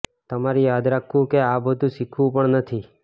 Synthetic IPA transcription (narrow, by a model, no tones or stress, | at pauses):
t̪əmaɾijad̪ɾakʰũkeabəd̪ʱũʃikʰʋũpəɳnət̪ʰi